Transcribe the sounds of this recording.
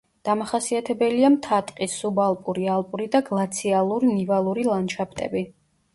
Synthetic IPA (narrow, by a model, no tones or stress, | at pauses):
d̪̥amaχasiat̪ʰɛbɛliamt̪ʰat̪ʼqʼisːubalˠpʼuɾialˠpʼuɾid̪aɡlˠat̪sʰialˠuɾinivalˠuɾilˠanʃʰapʰt̪ʼɛ̰bi